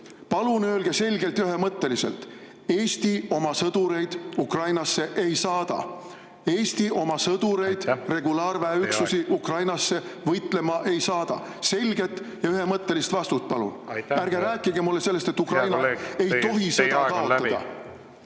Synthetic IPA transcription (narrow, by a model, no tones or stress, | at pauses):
pɑlunø̞ːlɡ̥e̞se̞lʲɡe̞lt̪jyɦe̞mɤt̪ːe̞lise̞̰lt̪ | e̞ːst̪io̞mɑsɤd̪̥uɾe̞jd̪̥ukrɑjnɑsːe̞ʔejsɑːd̪̥ɑ̰ | e̞ːsʲt̪iʔo̞mɑsɤd̪̥uɾe̞jd̪̥re̞ɡulɑːɾvæeykssusiʔukrɑjnɑsːe̞vɤjt̪le̞mɑʔe̞jsɑːd̪̥ɑ̰ | se̞lʲɡe̞t̪ː | jɑyɦe̞mɤt̪ːe̞list̪vɑst̪ut̪̚pɑlṵnæɾɡ̥eɾæːkːˑiɡemulːe̞se̞lːe̞st̪et̪ːˑukrɑjnɑe̞jt̪o̞ɦise̞d̪ɑkɑot̪ːɑd̪̥ɑ̰